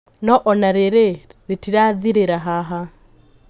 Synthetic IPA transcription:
nɔʔɔnaɾeɾeɾitiɾaðiɾeɾaɦaɦa

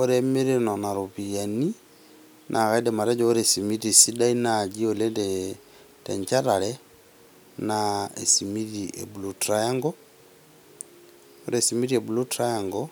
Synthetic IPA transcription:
ɔɾɛmiɾenanaɾupijani | nʔaɣaidɛmaɾɛɟɔɔɾesimiɾisidainaɟiɔlɛdɛ | tɛɲt͡ʃaɾalɛ | naḛsimiɾiʔḛbulutɾajaŋɡɔ | ɔɾesimiɾiebulutɾajaŋɡɔ

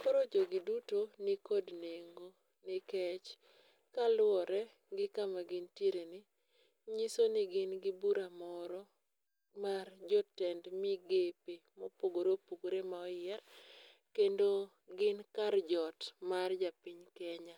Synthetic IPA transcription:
koɾod͡ʒoɡɪdutonɪkodneŋɡo | nɪkɛt͡ʃ | kalwɔɾɛ | ɡɪkamaɡɪntjeɾenɪ | ɲisonɪɡɪnɡɪbuɾamɔɾɔ | mard͡ʒɔtɛndmiɡepemɔpoɡoɾopoɡoɾemaɔjɪɛr | kendo | ɡɪnkard͡ʒɔtmard͡ʒapɪɲkɛɲa

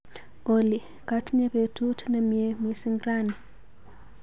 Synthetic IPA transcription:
oli | katɲepetutʰnɛmjemwisiŋɡɾani

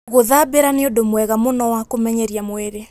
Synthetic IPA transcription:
ɣoðabeɾaneodomwɛɣamonɔwakomɛɲɛɾiamweɾe

